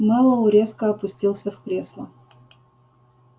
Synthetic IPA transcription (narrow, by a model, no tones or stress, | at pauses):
mɑlˠəʊɾʲeskəɐpʊsʲtʲilˠsʲəfkɾʲeslˠə